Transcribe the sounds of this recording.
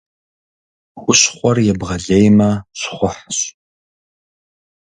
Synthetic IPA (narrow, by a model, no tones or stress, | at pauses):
wʷʊɕχʷɔrjɛbʁɐɮejmɐɕχʷʊħɕ